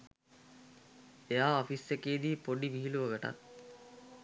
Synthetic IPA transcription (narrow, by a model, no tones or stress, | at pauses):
ejaːɔfisːekeːd̪iːpoɖiʋiɦiluʋɐɡəʈa̰t̪̚